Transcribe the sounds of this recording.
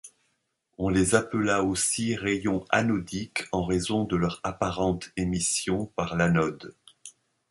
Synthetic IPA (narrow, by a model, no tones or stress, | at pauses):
ɔ̃lezapəlaosiʁejɔ̃a̰nɔd̪ikʰɑ̃ʁezɔ̃d̪əlœʁapaʁɑ̃t̪emisjɔ̃paʁlanɔd̪